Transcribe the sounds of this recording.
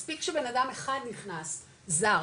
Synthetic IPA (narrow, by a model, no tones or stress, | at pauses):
spikʃebe̞nadameχad̪niχnas | za